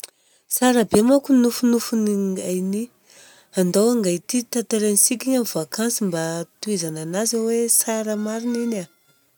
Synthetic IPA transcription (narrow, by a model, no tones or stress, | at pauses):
saɾabemakunufunufuniŋɡajni | and̪awaŋɡajt̪it̪at̪eɾenisikʲiɲamiv̥akansimbat̪uezananazawesaɾəmaɾinina